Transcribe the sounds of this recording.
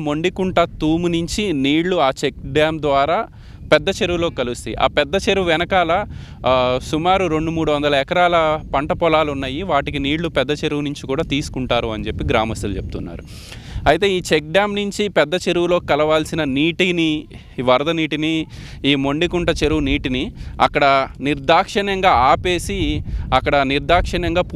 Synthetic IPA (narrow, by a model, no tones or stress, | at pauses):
mo̞ɳɖikuɳʈɐt̪uːmunuɲt͡ʃiniːɽluaːt͡ʃek̚ɖaːmd̪ʋaːɾaː | pɛd̪ːɐt͡ʃe̞ɾuwulo̞ːkikɐlust̪iʔa̰ːpɛd̪ːɐt͡ʃeɾuuʋɛnɐkaːlɐ | sumaːɾuɾe̞ɳɖumuːɽuʋɐnd̪ɐlɐɛkɐɾaːlɐpɐɳʈɐpɔlaːlunːɐːjiʋaːʈikiniːɽlupɛd̪ːɐt͡ʃe̞ɾuwnuɲt͡ʃikuːɽaːt̪iːsu̥kuɳʈaːɾuɐnt͡ʃe̞pːiɡɾa̰ːmɐst̪ulut͡ʃep̚t̪unːa̰ːɾu | ɐjt̪e̞ːiːt͡ʃek̚ɖjaːmnuɲt͡ʃipɛd̪ːɐt͡ʃe̞ɾuwulo̞ːkikɐlɐʋaːlsinɐniːʈini | ʋɐɾd̪ɐniːʈiniːmo̞ɳɖikuɳʈɐt͡ʃe̞ɾuwuniːʈiniɐ̰kːɐɽɐniɾd̪aːkʂɐɳɐŋɡaːaːpe̞ːsiɐkːɐɽɐniɾd̪aːkʂɐɳɐŋɡaːpu